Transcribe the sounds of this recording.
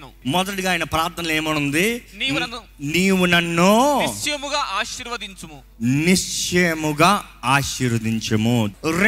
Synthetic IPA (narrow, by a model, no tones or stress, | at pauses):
mɔd̪ɐʈiɡaːjinɐpɾaːɾt̪ʰːɐnɐleːmɐɳund̪i | niːʋunɐnːuimuɡaːʔaːʃiɾʋɐd̪iɲt͡ʃɐmu | niʂt͡ʃejɐmuɡaːaːʃiːɾʋɐd̪iɲt͡ʃɐmuɾ